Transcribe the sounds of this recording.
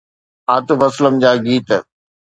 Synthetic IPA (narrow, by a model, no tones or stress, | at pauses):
aːt̪ʊfɐsləmd͡ʑaːɡiːt̪